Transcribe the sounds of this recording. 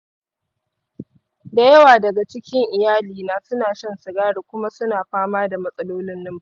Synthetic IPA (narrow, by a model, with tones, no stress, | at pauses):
da˨jɐ˦waː˨dɐ˨ɡa˨t͡ʃɪ˦kʲɪ˦ŋʔɪ˨jaː˦liː˨naː˨sʊ˦naː˨ʃɐ˦nsɪ˨ɡaː˦ɽeː˨kʷʊ˦ma˦sʊ˦naː˨ɸaː˦maː˦da˨mɐ˦sʼɐ˦loː˦nɪ˦nːɪ˦m˦˨